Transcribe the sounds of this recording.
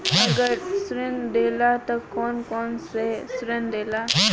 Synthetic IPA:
ɐɡəɾsɾend̪eːlat̪ɐkɔːnkɔːnsesɾend̪eːla

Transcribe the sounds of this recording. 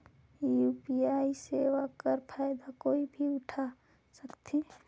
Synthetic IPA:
jupiaːiseːwakəɾpʰaːjd̪akoːibʱiʊʈʰa | səkt̪ʰe

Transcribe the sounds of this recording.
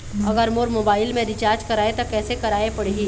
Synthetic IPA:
ɐɡəɾmoːɾmoːbaːɪlmẽɾɪt͡ʃaːɾd͡ʒkɐɾaːẽt̪okɛːsekɐɾaːepɐɽeɦiː

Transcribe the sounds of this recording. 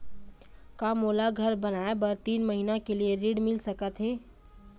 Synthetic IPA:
kamoːlaɡʱəɾbənaːebəɾt̪iːnməɦinakelieɾiɽmɪlsəkət̪ɦɛː

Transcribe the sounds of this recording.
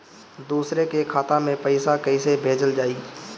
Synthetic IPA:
d̪uːsɾekekʰaːt̪amẽpəɪsakəɪsebʱeːd͡ʒəld͡ʒaːiː

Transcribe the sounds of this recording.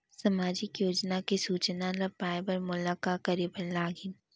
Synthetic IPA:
sɐmaːd͡ʒɪkjoːd͡ʒnakisuːt͡ʃnalɐpaːɪbəɾmʊlakakɐɾebɐɾlaːɡɪn

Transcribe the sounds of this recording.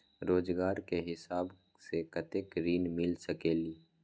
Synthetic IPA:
ɾoːd͡ʒɡaːɾkeɦɪsaːb | sekət̪ekɾiːnmɪlsəkeːliː

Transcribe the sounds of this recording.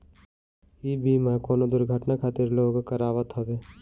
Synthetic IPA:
iːbʱiːmãkoːnod̪ʊɾɡʱəʈnakʰaːt̪ɪɾloːɡkəɾaːʋət̪ɦoːʋeː

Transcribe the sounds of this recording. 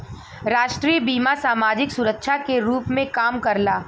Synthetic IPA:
ɾaːʃʈɾiːbiːmasaːmaːd͡ʒɪksʊɾəkʃʰakeɾuːpmẽkaːmkɐɾlaː

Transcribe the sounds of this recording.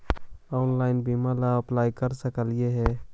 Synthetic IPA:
ɔːnlaːɪnbiːmalaəplaːikəɾsəkəlɪjeɦɛː

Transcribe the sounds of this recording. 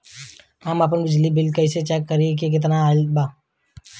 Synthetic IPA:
aːmap̬ənbɪd͡ʒlibɪlkəɪset͡ʃɛːkːəɾiek̬ek̬ɪt̪naaːlbaː

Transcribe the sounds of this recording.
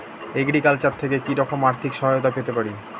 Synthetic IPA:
eɡɽikalt͡ɕatt̪ʰːekekiɾɔkomaɾt̪ʰikʃɔɦajot̪apet̪epaɾi

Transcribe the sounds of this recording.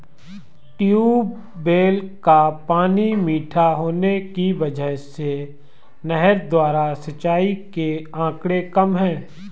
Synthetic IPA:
ʈiu | beːlkapaːnimiːʈʰaɦoːnekiʋɐd͡ʒəɦse | nɛɦəɾd̪waːɾasət͡ʃaːikeãːkɽekəmɦɛ̃ː

